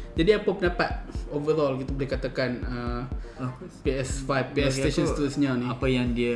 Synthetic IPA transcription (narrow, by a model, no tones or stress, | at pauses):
d͡ʒadiapəpənapat̪̚ovəɾɔlkit̪abolehkat̪akanə | peɛsfajfpeɛsesɔnst̪usɲaniapajaŋdia